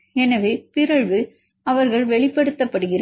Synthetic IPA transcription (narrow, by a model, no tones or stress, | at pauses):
ɛnɐʋeːpɪɾɐɻʋɯ | ɐʋɐɾɣɐɭʋɛɭɪpːɐɽɯt̪ːɐpːɐɽɯɣɪrɐ